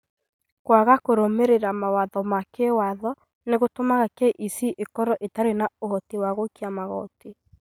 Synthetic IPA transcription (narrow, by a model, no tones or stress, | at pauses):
kwaɣakoɾomeɾeɾamawaðɔmakewaðɔ | neɣotomaɣakeʔisiʔekɔɾɔʔetaɾenaoɦɔtiwaɣokiamaɣɔ̰te